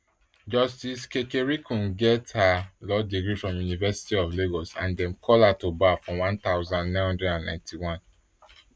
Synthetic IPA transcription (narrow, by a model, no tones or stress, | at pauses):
d͡ʒɔstiskekeɹikʰũnɡɛthalɔdeɡɹifɹɔ̃mjunivɛsi̥tiɔvleɡɔsã̰ndɛ̃mkʰɔlatobafɹɔ̃wãnt̪aʊzãndnãɪ̃nhɔ̃ndɹɛdãnːnã̰ɪ̃ntʰiwɔ̃n